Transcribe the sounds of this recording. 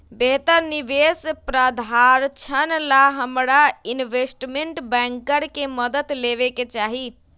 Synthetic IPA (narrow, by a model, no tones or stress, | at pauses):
beɦt̪əɾniʋespɾəd̪ʱaɾt͡ʃʰənlaɦəmɾainʋesʈmeɳʈbɛ̃ŋkəɾkeməd̪ət̪leʋeket͡ʃaɦit̪